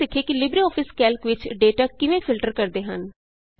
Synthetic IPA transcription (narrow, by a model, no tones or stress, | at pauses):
ɪkʰːeːkɪlɪbɾiɔːpʰɪskɛːlkʋɪt͡ʃɖeːʈaːkɪʋẽːpʰɪlʈəɾkəɾd̪eːɦən